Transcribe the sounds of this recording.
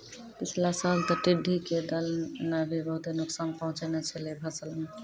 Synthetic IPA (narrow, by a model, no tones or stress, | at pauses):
pɪt͡ʃʰlasalt̪əʈiɖʱiked̪əlnabʱibəɦut̪enʊksanpəɦʊ̃t͡ʃenɛt͡ʃʰɛlebʱəsələn